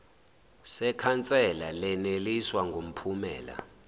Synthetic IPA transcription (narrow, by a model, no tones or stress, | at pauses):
sɛkʰant͡sʼɛlalɛneliswaŋɡʱom̩pʰumɛ̰ːla̰